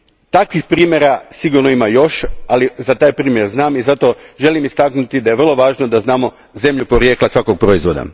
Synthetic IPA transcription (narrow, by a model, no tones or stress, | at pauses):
t̪akʋixpɾiːmjeɾasiɡuɾnoimajo̞ʃalizat̪aːjpɾiːmje̞ɾznaːmizat̪o̞ʒe̞limist̪aknut̪id̪aje̞ʋr̩lo̞ʋaːʒnod̪aznaːmo̞ | ze̞mʎupo̞ɾje̞ːklˠasʋakoɡ̚pɾo̞izʋo̞d̪a̰